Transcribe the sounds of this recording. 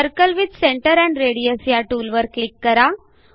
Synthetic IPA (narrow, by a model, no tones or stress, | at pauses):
əɾkəlʋid̪sẽɳʈəɾɛ̃ɳɖɾeɽiəsjaʈuːlʋəɾklikːəɾa